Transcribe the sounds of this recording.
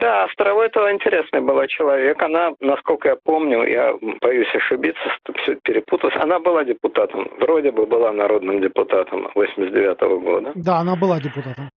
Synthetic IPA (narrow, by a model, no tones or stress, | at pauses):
d̪ast̪ɾɐvojt̪oɪnʲtʲɪɾʲe̞snɨjbɨlˠat͡ɕɪlˠɐvʲe̞kɐnanɐsko̞lʲkəjapo̞mnʲʊ̰ja̰b̥ɐjʉsʲɐʂɨbʲit̪sːəʂt̪ofsʲoɛt̪̚pʲɪɾʲɪput̪əlˠəsʲɐ̰nabɨlˠadʲɪpʊt̪at̪əmvɾo̞dʲɪbɨbɨlˠanɐɾo̞d̪nɨmdʲɪpʊt̪at̪əmvosʲɪmʲɪsdʲɪvʲat̪ə̰vəɡo̞̰d̪əd̪aɐnabɨlˠadʲɪpʊt̪at̪əm